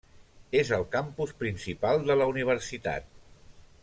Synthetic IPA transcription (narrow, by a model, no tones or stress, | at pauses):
ezəlˠkampuspɾinsipalˠd̪ələuniβ̞əɾsit̪a̰t̪̚